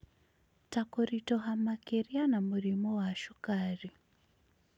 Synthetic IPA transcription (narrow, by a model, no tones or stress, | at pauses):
takoɾitoɦamakerianamurimowaʃukaːri